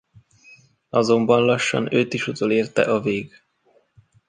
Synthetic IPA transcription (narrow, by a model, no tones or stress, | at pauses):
ɒzo̞mbɒnlɒʃːɒ̰nøːt̪iʃut̪oːleːrt̪ɛ̰ʔɒveːɡ